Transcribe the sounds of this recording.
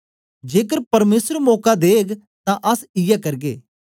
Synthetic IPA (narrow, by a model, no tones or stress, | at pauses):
d͡ʒeːkəɾpəɾmeːsəɾmɔːkad̪eːɡ | t̪ãʔəsɪjɛkəɾɡeː